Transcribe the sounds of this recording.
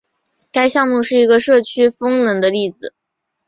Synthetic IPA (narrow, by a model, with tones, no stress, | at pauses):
ka˥ɪɕjɑ˥˧ŋmu˥˧ʂɻ̩˥˩i˧˥ɡə˧ʂɤ˥˩t͡ɕʰy˥fɤ˥ŋnɤ˧˥ŋd̪ə˧li˥˩d͡zɹ̩˩